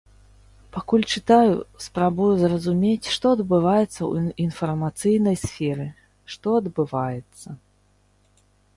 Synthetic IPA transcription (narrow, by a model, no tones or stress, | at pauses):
pakulʲt͡ʂɨt̪ajṵspɾabujuzrɐzumʲet͡sʲʂt̪ɔɐd̪bɨvajɛt̪sːɐ̰w̰infɐrmat̪sɨjnɐjsfʲɛɾɨ | ʂt̪ɔɐd̪bɨvajɛt̪sːɐ